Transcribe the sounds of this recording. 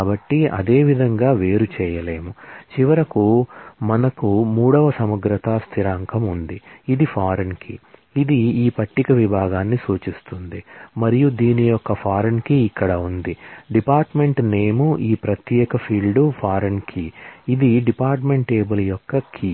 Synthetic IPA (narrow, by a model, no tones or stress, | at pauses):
abɐʈːiɐ̰d̪e̞ːʋid̪ʱɐŋɡaːʋe̞ːɾut͡ʃɛːjɐle̞ːmut͡ʃiʋɐɾɐkumɐnɐkumuːɽɐʋɐsɐmɐɡɾɐt̪ɐst̪ʰiɾaːŋkʰɐmund̪iid̪ipʰaːɾɐnkḭːd̪iiːpɐʈːikɐʋibʱaːɡaːnːisuːt͡ʃist̪und̪imɐɾijud̪iːnijɔkːɐpʰaːɾɐnkiːkːɐɽɐund̪iɖipaːɾʈme̞ɳʈneːmuʔiːpɾɐt̪jɛːkɐpʰiːlɖupʰaːɾɐnkʰiːd̪iɖipaːɾʈme̞ɳʈʈeːbɐlɐjɔkːɐkʰi